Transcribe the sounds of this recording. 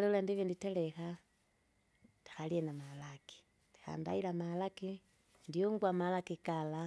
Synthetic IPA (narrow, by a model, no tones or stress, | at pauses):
lelandiβiːnditelexa | ti̥xalienamalaki̥ | ti̥xa̰ːmba̰ilamalaki | ndioŋɡwamalakikala